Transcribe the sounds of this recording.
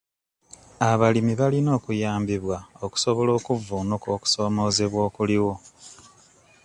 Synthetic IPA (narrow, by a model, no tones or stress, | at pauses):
aβalimiβalino̞ːkujaːmbiβwao̞ku̥so̞βo̞lo̞ːkuvuːnuko̞ːku̥so̞ːmo̞ːze̞βwo̞ːkuliwo̞